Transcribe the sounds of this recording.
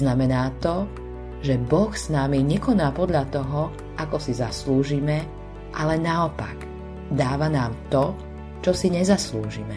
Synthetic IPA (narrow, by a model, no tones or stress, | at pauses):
namɛnaːt̪ɔ | ʒɛbɔxsnamiɲɛkɔnaːpɔd̪ʎat̪ɔɦɔ | ʔakɔsizasluːʒimɛ | ʔalɛnaɔpaɡ | d̪aːʋanaːmt̪ɔ | t͡ʃɔsiɲɛzasluːʒimɛ